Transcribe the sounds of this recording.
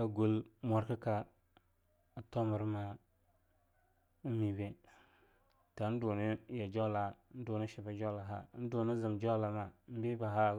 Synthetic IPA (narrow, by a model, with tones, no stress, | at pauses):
a˨ɡu˦lmo˨ɾkə˦ka˨ | a˨to˦mə˨ɾma˦ | mi˨be˦ | ta˨˦n̩˦du˨ni˦ja˨d͡ʒo˦la˨˦n̩˦du˨ni˦ʃi˨ba˨d͡ʒo˦la˨ɦa̰˦n̩˦du˨ni˦zɨ˨md͡ʒo˦la˨ma˨m̩˦bi˦ba˨ɦa˦˨